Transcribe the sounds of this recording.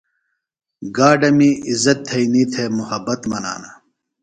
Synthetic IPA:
ɡaːɖɐmiizɐt̪ʰːɐiniːt̪ʰeːmuhɐbːɐt̪mɐna̰ːnɐ

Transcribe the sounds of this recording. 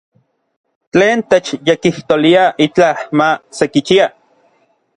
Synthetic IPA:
t͡ɬeːnt̪et͡ʃjekiht̪oliaʔit͡ɬahmasekit͡ʃia

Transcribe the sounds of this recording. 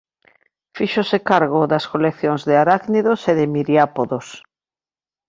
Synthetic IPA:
fiʃosɪkaɾɣ̞oðɐskolekθjoŋzðɪaɾakniðoseðɪmiɾjapoðos

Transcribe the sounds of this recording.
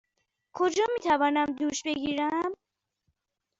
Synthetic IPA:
kʰod͡ʒɒːmiːt̪ʰævɒːnæmd̪uːʃbe̞ɡiːɾæm

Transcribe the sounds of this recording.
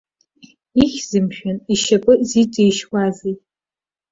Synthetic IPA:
iχʲz̥ɨmʃᶣaniʃapʼɨziʈ͡ʂʼejʃɡʷʼazejtʼ

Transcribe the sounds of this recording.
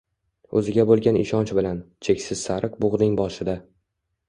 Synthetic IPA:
ɵzɪɡʲabolˠɡʲanɪ̰ʃɒnt͡ʃbɪlant͡ʃʰe̞kʲsɪz̥saɾɨq̚bʊʁd̪ɪŋbɒʃɪd̪a

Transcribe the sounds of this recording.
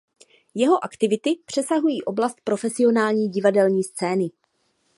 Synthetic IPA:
jɛɦo̞ʔakt̪ɪvɪt̪ɪpr̝̥ɛsaɦujiːʔo̞blast̪̚pɾo̞fɛsɪo̞naːlɲiːɟɪvadɛlɲiːst͡sɛːnɪ

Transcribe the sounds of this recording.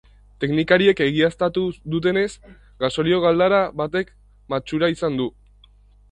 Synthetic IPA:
t̪e̞knikaɾie̞ke̞ɣiast̪at̪uðut̪̬e̞ne̞s | ɡaso̞ɾio̞ɣald̪aɾaβat̪e̞k | mat͡ʃuɾaisand̪u

